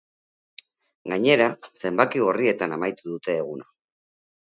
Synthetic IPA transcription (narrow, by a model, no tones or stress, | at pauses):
ɡaɲe̞ɾase̞mbakiɣ̞orie̞t̪anamajt̪uðut̪e̞ːɣ̞una